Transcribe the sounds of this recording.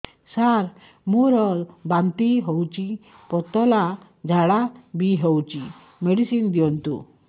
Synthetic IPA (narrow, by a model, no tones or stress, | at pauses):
saɾ | muɾbãnt̪iɦɔwt͡ɕi | pɔt̪ɔla | d͡zʱaɽabiɦɔwt͡ɕi | meɽisind̪iɔnt̪ṵ